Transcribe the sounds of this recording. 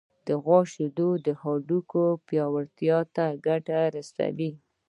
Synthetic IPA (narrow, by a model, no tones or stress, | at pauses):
d̪̥əɣwɑʃed̪od̪əhɑɖukopjɑwaɾt̪jɑt̪aɡaʈaɾasa̰wi